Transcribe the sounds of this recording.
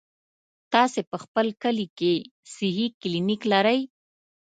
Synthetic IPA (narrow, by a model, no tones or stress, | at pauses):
t̪ɑsepəxpəlkəlikesiɦikliniklaɾəj